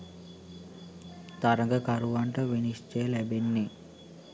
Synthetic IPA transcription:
t̪ɐɾɐŋɡɐkɐɾuʋɐɳʈɐʋenist͡ʃeːlɛbenːi

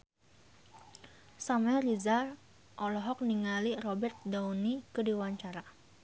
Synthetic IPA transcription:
samɛrizar | ʔɔlɔɦɔk̚niŋalirɔbɛrt̪̚daunikədiwaɲt͡ʃaɾa

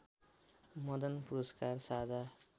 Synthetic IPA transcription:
mʌd̪ʌnpuɾʌskarsad͡zʱa

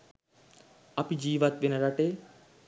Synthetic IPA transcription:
ɐpid͡ʒiːʋat̪ʋenɐɾaʈe

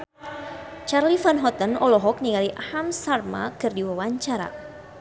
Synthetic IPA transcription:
t͡ʃarlifanɦɔt̪ənɔlɔɦɔk̚niŋaliʔahamsarma̰kɨrdiwawaɲt͡ʃaɾa̰

